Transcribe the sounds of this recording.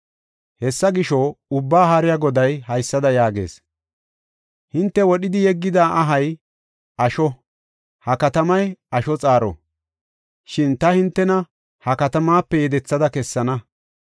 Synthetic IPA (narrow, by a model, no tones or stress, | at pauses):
hɛsːɐɡɪʃɔʊbːaːɦɐɾɪjaɡɔd̪ɐjhɐjsːɐd̪ɐjaːɡḛːs | hɪnt̪ːɛwɔɗɪd̪ɪjɛɡːɪd̪aːʔɐɦɐj | ɐʃɔ | hɐkɐt̪ɐmɐjɐʃɔt͡sʼaːɾɔ̰ | ʃɪnt̪ɐhɪnt̪ːɛnɐ | hɐkɐt̪ɐmaːpːɛjɛd̪ɛt͡sːɐd̪ɐkɛsːɐnɐ